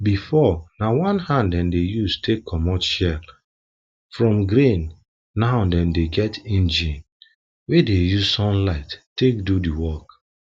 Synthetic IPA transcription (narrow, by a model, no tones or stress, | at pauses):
bifɔnawɔ̃nhãnddɛ̃mdejustʰekkːɔmɔʃɛl | fɹɔ̃mɡɹẽnː | ãʊdɛ̃mdeɡɛtĩnd͡ʒĩn | wedejuzsɔ̃nlaɪttːek̚dudiwɔk